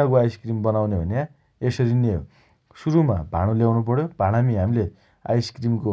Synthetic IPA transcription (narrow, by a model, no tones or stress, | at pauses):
akoajskrimbʌnawnebʱʌnja | esʌɾinḛ | suɾumabʱaɽ̃oljawnup̬ʌɽjobʱãɽ̃amiɦamile | a̰jskrimko